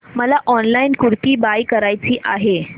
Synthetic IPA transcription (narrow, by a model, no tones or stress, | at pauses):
məlaʔɔnlainkuɾt̪iːbajkəɾajt͡ɕiːʔaɦe